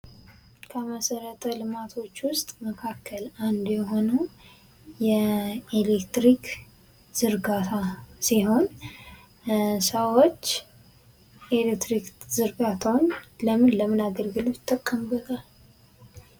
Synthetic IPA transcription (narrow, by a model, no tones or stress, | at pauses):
kʰəməsəɾət̪ʼʰəlɨmat̪ʰo̞t͡ʃːwʊst̪ʼməkʰakʰːəland̪jɛɦo̞nə | jɛelekt̪ɾik | z̥ɨɾɡat̪ʰasiho̞n | səwot͡ʃː | ʔelek̚t̪ɾikzɨɾɡat̪ʰawnləmɨnləmɨnaɡəlɡɨlott̪ʼːəkʼːəmbət̪ʰal